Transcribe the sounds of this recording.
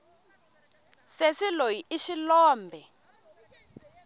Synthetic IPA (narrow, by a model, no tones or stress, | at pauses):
sesilojiiʃilɔːmbʱɛ